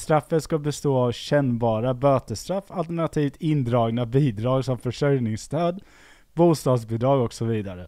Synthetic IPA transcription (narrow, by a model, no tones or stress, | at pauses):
st̪ɾafːət̪skabɛst̪oːavɕɛnːbɑːɾabøːt̪əst̪ɾafːalt̪ɛɳat̪ʰiːft̪ʰɪnd̪ɾɑːɡnabiːd̪ɾɑːɡsɔmfœʂœjnɪŋst̪ʰøːd̪ | buːst̪ɑːd̪sbɪd̪ɾɑːɡɔksɔviːd̪aɾə